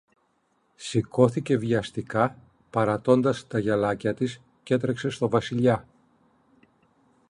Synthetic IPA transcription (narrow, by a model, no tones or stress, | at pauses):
siko̞θice̞viɐst̪ikɐ | pɐɾɐt̪o̞nd̪ɐst̪ɐʝɐlɐcɐt̪is | ce̞t̪ɾe̞kse̞st̪o̞vɐsiʎɐ